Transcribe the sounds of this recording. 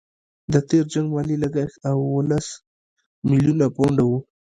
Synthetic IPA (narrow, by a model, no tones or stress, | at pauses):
d̪ət̪eɾd͡ʒaŋɡmɑlilaɡaxt̪awwolas | mɪlijunapoɳɖawu